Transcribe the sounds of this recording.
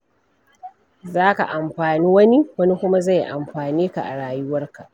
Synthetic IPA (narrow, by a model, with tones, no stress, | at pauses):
zaː˦ka̰˨ʔa˨mɸaː˨niː˦wɐ˦ni˦wɐ˦ni˦kʷʊ˦ma˦za˦˨jʔa̰˨mɸaː˨niː˦ka̰˨ʔa˨ɽaː˨jʊ˦wɐ˦rka˨ʔ